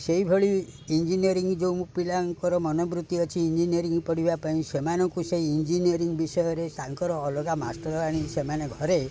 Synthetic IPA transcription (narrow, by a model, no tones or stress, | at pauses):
seɦibʱeɭiind͡ʒiniɔɾiŋɡd͡ʒewmupilaŋkɔɾɔmɔnɔbɾut̪iɔt͡ʃʰiːnd͡ʒiniɔɾiŋɡpɔɽ̤ibapaĩsemanɔŋkuseːnd͡ʒiniɔɾiŋɡbisɔjɔɾesaŋkɔɾɔːlɔɡamasʈɔɾɔaɽ̃isemaneɡʱɔɾe